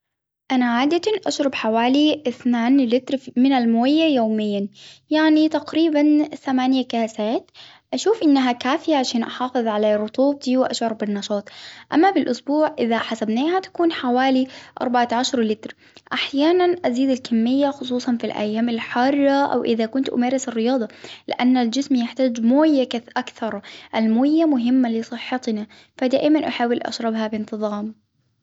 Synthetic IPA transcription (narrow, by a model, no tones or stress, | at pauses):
ʔanaʕaːd̪at̪anʔaʃɾˤɑbħawaːliʔɪθnaːnlɪt̪ɾmɪnalmoːjːajoːmɪjːanjaʕnit̪aqɾiːbanθamaːnjakaːsaːt̪ | ʔaʃuːfʔɪnːaɦakaːfɪjaʕaʃaːnʔɑħɑːfɨðˤʕalaːɾˤʊt̪ˤuːb̚t̪iwɪʔaʃʕʊɾˤbɪnːɑʃɑːt̪ˤʔa̰mːabɪlʔʊsbuːʕʔɪðaħasabneːhat̪ḁkuːnħawaːliʔɑ̰ɾˤbaʕaʕaʃɑɾˤlɪt̪ɾ | ʔaħjaːnanʔaziːd̪alkamːɪjːaxʊsˤuːsˤɑnfilʔa̰jːaːmɪlħɑrˤːɑʔa̰wʔɪðakʊnt̪ʔʊ̰meːɾɪsɪrːɪjɑːd̪ˤɑlɪ̰ʔanːald͡ʒɪsmjɪħt̪aːd͡ʒmoːjːakaθʔakθɑɾˤʔalmoːjːamʊɦɪmːalɪsˤɨħːɑt̪na | fad̪aːʔɪmanʔaħawːɪlʔa̰ʃɾˤɑbɦabɪnt̪ɨðˤɑːm